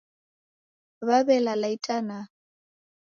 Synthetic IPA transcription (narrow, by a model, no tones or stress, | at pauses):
βaβɛlalaitʼana